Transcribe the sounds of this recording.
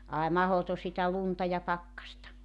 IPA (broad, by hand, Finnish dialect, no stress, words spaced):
ɑˑi mɑhoto sitæ luntɑ jɑ pɑkːɑstɑ